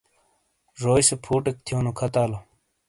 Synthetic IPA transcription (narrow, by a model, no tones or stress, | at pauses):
ʐoːjsepʰuːʈek̚t̪ʰjoːnokʰɐt̪aːlo